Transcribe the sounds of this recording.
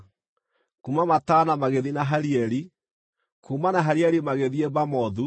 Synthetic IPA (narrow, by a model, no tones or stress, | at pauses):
kumamatanamaɣeðinaɦaɾiɛɾi | kʰumanaɦaɾiɛɾimaɣeðiebamɔðu